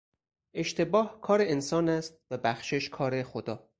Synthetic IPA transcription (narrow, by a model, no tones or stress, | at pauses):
ʔe̞ʃt̪ʰe̞bɒːhkʰɒːɾe̞ensɒːnæst̪̚væbæxʃeʃkʰɒːɾe̞xod̪ɒː